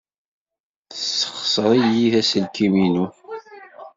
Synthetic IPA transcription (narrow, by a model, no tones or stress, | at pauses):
θəsːə̥χsəɾˤijiθæsəlkiminu